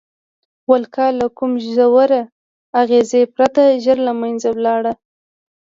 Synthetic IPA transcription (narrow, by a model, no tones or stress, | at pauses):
walkɑlakumʒzawaɾa | aɣezepɾat̪aʒəɾlamajnzawlɑɽa